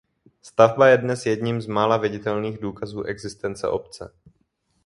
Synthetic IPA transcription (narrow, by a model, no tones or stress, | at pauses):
st̪avbajɛdnɛsjɛdɲimzmaːlavɪɟɪt̪ɛlniːɣduːkazuːʔɛɡzɪst̪ɛnt͡sɛ̰ʔo̞pt͡sɛ